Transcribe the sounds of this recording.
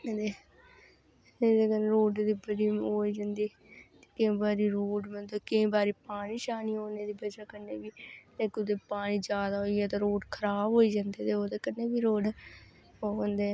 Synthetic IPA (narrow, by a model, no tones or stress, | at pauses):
ed̪eː | ed̪ekənɾoːɖd̪iːbəd͡ʒiːoːiːd͡ʒãːnd̪iː | t̪e̥ːkɪ̃ĩːbaːɾiːɾoːɖmət̪əkẽĩːbaːɾiːpaːɽ̃iːʃaːniːoːneːd̪iːbəd͡ʒaːkənːeːbiːlẽːkːʊd̪eːpaːɽ̃ĩːd͡ʒjaːd̪aːɦoiːɛːt̪ãːɾoːɖkʰəɾaːbɦoːiːd͡ʒãːnd̪eːt̪eːoːd̪eːkənːeːbiːɾoːɖ | oːə̃nd̪eː